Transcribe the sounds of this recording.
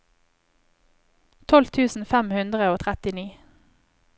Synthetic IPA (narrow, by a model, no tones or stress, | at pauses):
t̪ʰɔlt̪ʰʉːsn̩fæmhʉnd̪ʁəoːt̪ʰʁɛt̪ɪniː